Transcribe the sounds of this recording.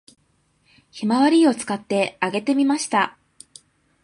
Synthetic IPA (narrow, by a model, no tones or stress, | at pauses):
çimaβaɾʲio̞t͡sɨ̥kat̪ːe̞aɡe̞t̪e̞mʲimaɕi̥t̪a